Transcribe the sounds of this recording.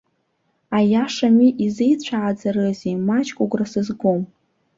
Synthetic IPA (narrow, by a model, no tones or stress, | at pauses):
ajaʂamiʔizejt͡ɕʷʰaʕad͡zarɨzimat͡ʃʼkʷʼuɡʷrasɨzɡʷom